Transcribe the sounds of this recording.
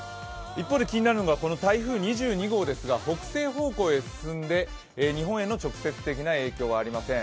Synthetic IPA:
ipːo̞ːd̪e̞kʲiɲ̟inaɾɯno̞ɡako̞no̞t̪aiɸɯ̟ːɲ̟iʑɨːɲ̟iɡo̞ːd̪e̞sɨɡaho̞kɯ̟̥se̞ːɦo̞ːko̞ːe̞sɨ̥sɨ̃nd̪e̞ | ɲ̟iɦõɰ̃e̞nːo̞t͡ɕo̞kɯ̥se̞t͡sɨ̥t̪e̞kʲinae̞ːkʲo̞ːβ̞aːɾʲimasẽ

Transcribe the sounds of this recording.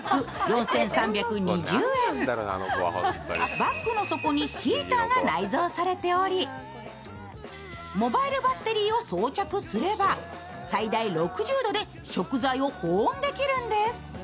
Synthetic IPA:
kːɯ̟jõ̞ɰ̃sẽ̞ɰ̃sãmbʲjakɯ̟ɲ̟iʑɨːḛ̃ | bakːɯ̟no̞so̞ko̞ɲ̟içʲiːt̪aːɡanaizo̞ːsaɾe̞t̪e̞o̞ɾʲi | mo̞baiɾɯ̟bat̪ːe̞ɾʲiːo̞soːt͡ɕakɯ̟sɨɾe̞ba | said̪aiɾo̞kɯ̟ʑɨːd̪o̞d̪e̞ | ɕo̞kɯ̟zaio̞hõːnd̪e̞kʲiɾɯ̟̃nd̪e̞sɨ̥

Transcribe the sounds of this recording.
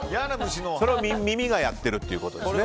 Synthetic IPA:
jaːnabɯɕinoso̞ɾe̞βamʲimʲimʲiɡajat̪ːe̞ɾɯ̟t̪ːeiɯ̟ko̞t̪o̞d̪ee

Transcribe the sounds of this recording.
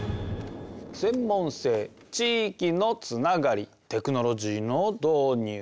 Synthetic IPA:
sẽ̞mːõ̞ɰ̃se̞ː | t͡ɕiːkʲino̞t͡sɨnaɡaɾʲi | t̪e̞kɯ̟no̞ɾo̞ʑiːno̞d̪o̞ːɲ̟ɯː

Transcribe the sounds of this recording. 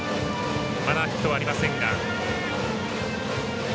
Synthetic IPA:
mad̪açi̥t̪o̞βaːɾimasẽ̞ŋɡa

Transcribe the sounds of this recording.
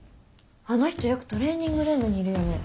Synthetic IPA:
ano̞çi̥t̪o̞jokɯ̟̥t̪o̞ɾe̞ːɲ̟ʲːĩŋɡɯ̟ɾɯ̃nd̪oɲ̟iːɾɯ̟jo̞ne

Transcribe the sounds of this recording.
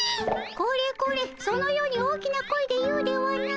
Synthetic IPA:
ko̞ːɾe̞ːko̞ːɾeːso̞no̞jo̞ːɲ̟ioːkʲinako̞id̪e̞jɯ̟ːd̪e̞oβaɾʲina

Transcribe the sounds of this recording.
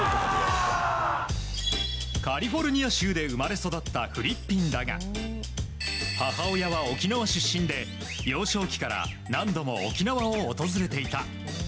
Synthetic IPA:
kaɾʲiɸo̞ɾɯ̟ɲ̟iaɕɨːd̪e̞ɯ̟maɾe̞so̞d̪at̪ːaɸɯ̟ɾʲipʲːĩnd̪aɡa̰ | hahao̞jaβao̞kʲinaβaɕɨɕːĩnd̪e̞ | jo̞ːɕo̞ːkʲi̥kaɾa̰ | nãnd̪o̞mo̞o̰kʲinaβaoːt̪o̞zɨɾe̞t̪e̞it̪a̰

